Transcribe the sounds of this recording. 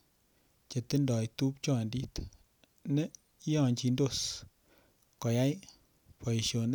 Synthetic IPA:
t͡ʃe˨t̪e˦ndɔ˨jt̪u˦p̚t͡ʃɔ˦˨ndi˦t̪ | nɛ˦ | jɔ˦˨ɲt͡ʃi˨ndo˦˨s | kɔ˨ja˦j | pɔ˨ʃo˨n

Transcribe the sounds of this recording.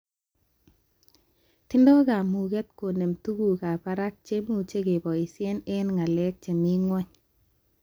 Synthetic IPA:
ti˦ndɔ˦ka˨mu˨ɡɛ˦t̚ko˨ne˨mtu˦ɡu˨ka˨pa˦ɾa˦k̚t͡ʃe˦mu˨t͡ʃe˦ke˨bɔ˨i˨se˦ne˦nŋa˨lɛ˦k̚t͡ʃe˨mi˦ŋwɔ˦ɲ

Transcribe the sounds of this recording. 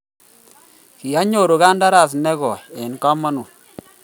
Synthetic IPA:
ki˨a˦ɲo˨ɾo˨ka˦nda˦ɾa˨s̬nɛ˦ɣɔ˨ɛ˨nka˦ma˦nu˨

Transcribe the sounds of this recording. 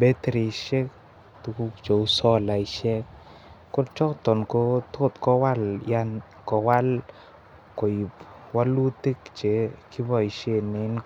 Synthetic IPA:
be˦t̪ɾi˨ʃɛ˦k | t̪u˨ku˦kt͡ʃo˨u˦sɔ˦la˨i˨ʃɛ˦k | kːʊ˦ɾt͡ʃɔ˦kt̪ɔ˨nko˦t̪o˦t̪kɔ˦wa˦lja˦n | kɔ˨wa˦l | ko˨i˨p | wa˦lu˦t̪i˦kt͡ʃe˨ki˦bɔ˦˨i˨ʃe˦nɪ˧n

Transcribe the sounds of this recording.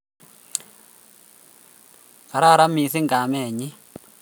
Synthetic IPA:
ka˨ɾa˦˨ɾa˦mi˨s̬ɪ˦ŋɡa˨mɛ˦˨ɲɪ˦

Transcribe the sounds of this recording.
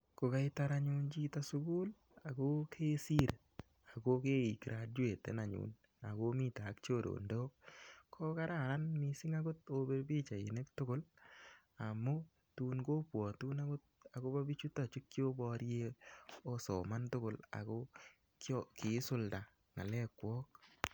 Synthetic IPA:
ko˨ka˦ɪ˦ta˦ɾa˦ɲu˦nd͡ʒi˦ta˦sʊ˦ku˦l | a˨ko˦kʰe˦si˦ɾ | a˨ko˦ke˦i˨kiɾʔa˨d̚we˨tḛ˨na˨ɲṵ˨n | a˨ko˦mi˦ta˨˦kt͡ʃo˦˨ɾo̰˨ndo˦kkʰːo˦ka˦ɾa˨ɾa˦nmisɪ˦ŋa˦ɡo˦to˦be˦ɾbi˦t͡ʃa˨i˨ne˦ktʊ˦kʊ˦l | a˨mo˦ | tu˦nɡo˦pwɔ˨tu˦na˦ɡo˦t̚a˨ko˦ba˦bi˦t͡ʃu˦ta˨t͡ʃi˦kːjo˦bɔ˦ɾje˦o˦sɔ̰˨ma˦ntʊ˦kʊ˦la̰˨ko˦ | kkɪ˨˦sʊ˦lda˨ | ŋa˨lɛ˦kwɔː˦k̚

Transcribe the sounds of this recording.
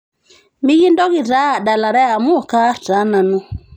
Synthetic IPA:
mi˦ɣi˦ndɔ˦ɣɪ˨ta˦˨da˨la˨ɾɛ˦a˨mu˦˨ka˦ta˨˦na˨nɔ˦

